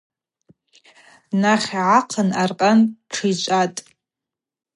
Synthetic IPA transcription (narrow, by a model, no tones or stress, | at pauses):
naχʲʕaqʰənarqʼanʈ͡ʂʰɨt͡ʃʷʼatʼ